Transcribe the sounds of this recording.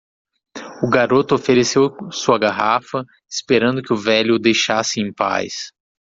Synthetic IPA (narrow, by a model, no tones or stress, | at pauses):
ʊɡaɾot̪ʊofeɾesewsuɐɡaɦafɐ | ɪspeɾɐ̃nd̪ʊkɪʊvɛlʊd̪ejʃasɪẽj̃pa̰js